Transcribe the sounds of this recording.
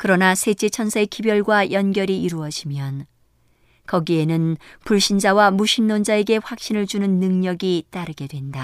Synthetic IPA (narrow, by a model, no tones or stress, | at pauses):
kɯɾʌnasʰe̞t͡ɕe̞t͡ɕʰʌnsʰekibjʌɭɡwajʌnɡjʌɾiiɾuʌɕʰimjʌn | kʌɡie̞nɯnpuɭɕ͈ind͡ʑawamuɕʰinːond͡ʑae̞ɡe̞ɸwak̚ɕ͈inɯɭd͡ʑunɯnːɯŋɲʌɡit͈aɾɯɡe̞dwe̞nda